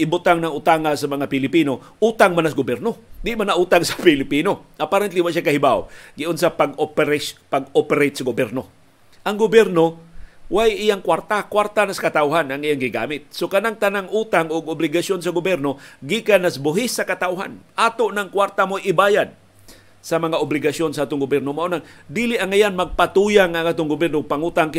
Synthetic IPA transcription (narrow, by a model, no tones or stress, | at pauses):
ʔɪbʊt̪aŋnɐŋʊt̪aŋasɐmɐŋapɪlɪpino | ʔuːt̪aŋmanas̬ɡʊbjɛɾnod̪ɪʔmanaʔuːt̪aŋsɐ̥pɪlɪpinoʔapaɾɛnt̪liwaʔʃ̬akahɪbawɡɪʊns̬apaɡopɾepaɡopɛɾejt̪sɐɡʊbjɛɾno | ʔaŋɡʊbjɛɾnowajɪjaŋkwaɾt̪akwart̪anaskat̪awɦanʔaŋijaŋɡɪɡa̰mɪt̪̚sokanaŋt̪anaŋʔuːt̪aŋʔʊɡʊblɪɡasjonsaɡʊbjɛɾnoɡikanasbʊɦɪsːakat̪awɦa̰nʔaːt̪oʔnaŋkwart̪amojɪbaːjad̪̚ | samaŋaʔʊblɪɡasjonsaaːt̪ʊŋɡʊbjɛɾnomaʔunaŋd̪iliʔaŋajanmaɡ̚pat̪ujaŋːaŋʔaːt̪ʊŋɡʊbjɛɾnoɡ̚paŋut̪aŋkɪ